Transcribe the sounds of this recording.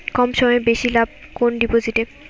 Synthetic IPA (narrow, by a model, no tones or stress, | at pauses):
kɔmʃɔmɔebeʃilab̚konɖipod͡ʑiʈeb